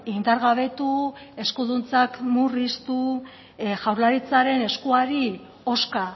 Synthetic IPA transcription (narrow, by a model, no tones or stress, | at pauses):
ind̪aɾɣaβ̞e̞t̪ue̞skuðunt͡sakmurist̪u | ʝawɾlaɾit͡saɾe̞ne̞skuaɾi | o̞ska